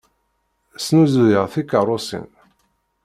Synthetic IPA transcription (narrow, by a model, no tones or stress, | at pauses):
snuzðəʁθikərˤʊsḭn